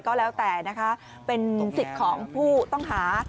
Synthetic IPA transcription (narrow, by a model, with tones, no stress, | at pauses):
kɔː˥˩lɛː˦˥wt̪ɛː˨˩na˦˥kʰa˦˥ | pe˧nsi˨˩t̪̚kʰɔː˩˦ŋpʰuː˥˩t̪ɔ˥˩ŋɦaː˩˦